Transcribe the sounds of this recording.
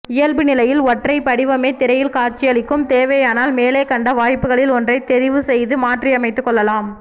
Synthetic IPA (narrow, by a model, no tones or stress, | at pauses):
ɪjɐlbɯnɪlɐjɪlɔʈrɐɪpːɐɽɪʋɐmeːt̪ɪɾɐjɪlkaːɾt͡ʃːɪjɐɭɪkːɯmt̪eːʋɐjaːnaːlmeːleːkɐɳɖɐʋaːjpːɯɣɐɭɪlɔndrɐɪt̪ɛɾɪʋɯsɛjðɯmaːʈriɐmɐɪt̪ːɯkːɔɭːɐlaːm